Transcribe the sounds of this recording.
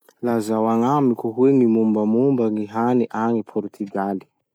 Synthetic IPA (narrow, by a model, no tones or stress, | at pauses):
lazawaŋamikuɦweŋimumbamumbaŋiɦaniʔaŋipʰɔɾt̪ʰyɡali̥